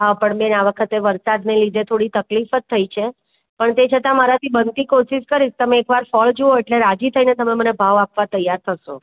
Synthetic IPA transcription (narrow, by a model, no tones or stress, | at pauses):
ɦapəɳmẽnaʋəkʰət̪eʋəɾsad̪nelid̪ʱet̪ʰoɽit̪əklifət̪ʰːəit͡ʃʰe | pəɳt̪et͡ʃʰət̪ãmaɾat̪ʰibənt̪ikoʃiʃkəɾist̪əmeːkʋaɾfɔld͡ʒooeʈleɾad͡ʒit̪ʰəinet̪əmemənebʱaʋapʋat̪əjaɾt̪ʰəʃo